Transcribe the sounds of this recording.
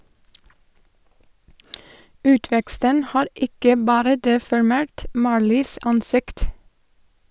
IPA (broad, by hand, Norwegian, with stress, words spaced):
ˈʉːtʋɛkstən ˈhɑːɾ ˈɪkə ˈbɑːɾə ˌdeːfɔɹˈmeːɹt ˈmɑːɹliːs ˈɑnˌsɪkt